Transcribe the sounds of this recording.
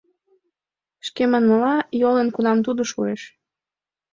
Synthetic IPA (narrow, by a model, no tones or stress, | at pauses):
ʃkemɑnməlɑjolenkunɑmt̪ud̪oʃueʃ